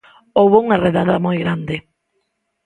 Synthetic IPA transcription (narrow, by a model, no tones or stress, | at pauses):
owβouŋareðaðamojɣɾand̪ɪ